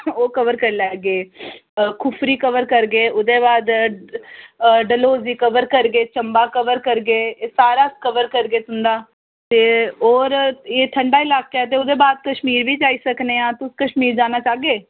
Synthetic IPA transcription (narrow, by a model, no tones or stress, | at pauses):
oːkəʋəɾkəɾlɛːɡeː | kʰʊpʰɾiːkəʋəɾkəɾɡeːʊd̪eːbaːd̪ | ɖəloːziːkəʋəɾkəɾɡeːt͡ʃəmbaːkəʋəɾkəɾɡeːsaːɾaːskəʋəɾkəɾɡeːt̪ʊnd̪aː | t̪eːoːɾeːʈ̪ʰəɳɖaːɪlaːkeɛːt̪̬eːʊd̪eːbaːd̪̚kəʃmiːɾbiːd͡ʒaːiːsəkneːãːt̪ʊskəʃmiːɾd͡ʒaːnaːt͡ʃaːɡeː